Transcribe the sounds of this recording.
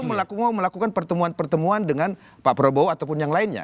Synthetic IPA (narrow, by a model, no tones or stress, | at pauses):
məlakumaməlakukanpərt̪əmuanpərt̪əmuandəŋan | papɾoboat̪awpʊnjaŋlaɪnɲa̰